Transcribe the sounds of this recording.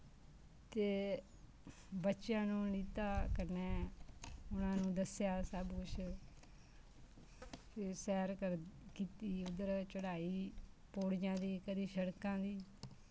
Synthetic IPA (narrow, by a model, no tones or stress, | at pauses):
t̪eː | bətːʃjãːnũːniːt̪aːkəɾneː | ʊnãːnũːd̪əsjaːsəːbkʊt͡ʃʰ | keːsɛːɾkəɾkiːt̪iːʊd̪əɾt͡ʃəɽaːiː | poːɽjãːd̪iːkəɾiːʃəɽkãːd̪iː